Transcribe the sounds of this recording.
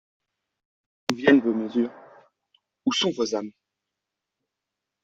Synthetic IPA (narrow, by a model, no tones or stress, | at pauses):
uvjɛnvoməzyːʁ | usɔ̃vozami